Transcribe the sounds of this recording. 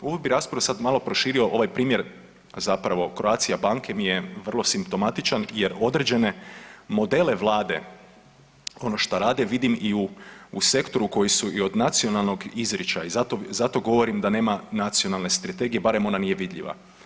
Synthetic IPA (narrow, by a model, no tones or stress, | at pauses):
uʋobiɾaːspɾaʋosad̪malˠo̞pɾo̞ʃiːɾio̞ʔoʋajpɾiːmje̞ɾ | zapɾaʋo̞kɾoaːt̪sijabaːŋkʰe̞mijeʋr̩lˠo̞simpt̪o̞mat̪it͡ʃanjeɾo̞d̪ɾed͡ʒe̞ne̞mo̞d̪e̞le̞ʋlˠaːd̪e̞̰ | o̞no̞ʃt̪oɾaːd̪e̞ʋid̪imiuːse̞kt̪o̞ɾuko̞jisuio̞d̪nat̪sio̞nalˠno̞ɡizɾḭt͡ʃaizat̪ozat̪o̞ɡo̞ʋo̞ɾimd̪ane̞ːmanat̪sio̞nalˠne̞st̪ɾat̪e̞ɡijebaɾemo̞nanije̞ʋid̪ʎʲḭʋa̰